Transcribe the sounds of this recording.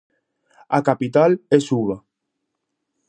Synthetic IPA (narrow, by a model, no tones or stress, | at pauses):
akapit̪alesuβa